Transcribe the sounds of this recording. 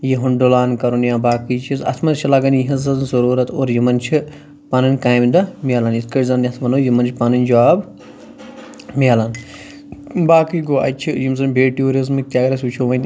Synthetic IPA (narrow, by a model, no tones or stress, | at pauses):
jiɦunɖolaːnkɐɾunjãːbaːkit͡ʃʰizɐ̰t̪ʰmɐt͡ʃʰilaɡɐnjiɦɐzɐnzɐɾuːɾɐt̪oːɾjimɐnt͡ʃʰi | paːnɨnʲkaːjmd̪ɐmialɐnit̪ʰkɐɾʲzɐnʲɐt̪ʰʋɐnoːjimɐnt͡ʃʰipanɐnʲd͡ʒwaːb | miaːlan | baːkɨjɡoːɐ̰t͡ʃʰijimzɐnʲbeːʈjuːɾizmɨk̚t̪ʲjaːɡɐɾɐsʲut͡ʃʰoːʋɐnʲ